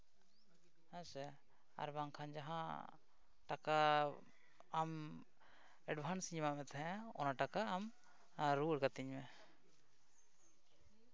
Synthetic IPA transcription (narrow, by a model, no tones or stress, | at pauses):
hɛ̃sɛ | a̰ɾbaŋkʰand͡ʒaɦã̰ | ʈaka | am | ɛɖbʱansiɲmamɛt̪ʰɛɦɛ̃aɔ̰naʈakaːm | ɾuɽɡat̪iɲmɛ